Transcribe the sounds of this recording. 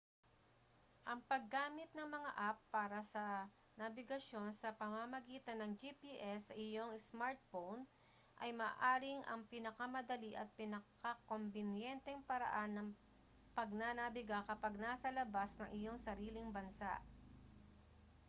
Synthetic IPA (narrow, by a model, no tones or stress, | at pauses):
ʔɐŋpɐɡːaːmɪt̪̚nɐŋmɐŋa̰ʔapːaːɾɐsɐ | nɐbɪɡɐʃo̞nsɐpɐmamɐɡiːt̪ɐnːɐŋd͡ʒipiʔɛsːɐʔɪjo̞ŋsmaɹt̪̚fown | ʔɐjmaːʔaːɾɪŋʔɐ̰ŋpɪnɐkamɐd̪ɐliʔɐt̪̚pɪnɐkako̞mbɪnjɛnt̪ɛŋpɐɾɐ̰ʔanːɐŋ | pɐɡ̚nanɐbɪɡakɐpɐɡ̚nasɐlɐbasnɐŋʔɪjo̞ŋsɐɾiːlɪŋbɐnsa̰ʔ